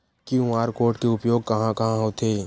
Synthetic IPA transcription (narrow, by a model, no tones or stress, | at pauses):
kiʊ̃aːɾkoːɾʈkeʊpjoːɡ̚kɐɦãkɐɦãɦot̪ʰeː